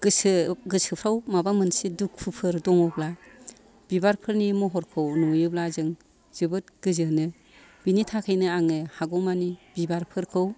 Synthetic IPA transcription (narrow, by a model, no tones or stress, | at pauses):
ɡɯsɡɯsɯpʰɾawmabamɯnsiduk̚pʰɯpʰɯɾdɔŋɔbla | b̥ibaɾpʰɯɾnimɔɦɔɾkʰɯwnujɯblazɯŋ | z̥ɯbɯt̚ɡ̥ɯzɯnɯ | b̥initʰakʰajnɯaŋɯhaɡɔmanibibaɾpʰɯɾkʰɯw